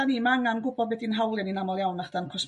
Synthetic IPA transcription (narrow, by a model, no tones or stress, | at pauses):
animaaŋanɡʊbɔdwɛdinɦawlˠɨninamɔlˠjawnaχd̥ankʰɔs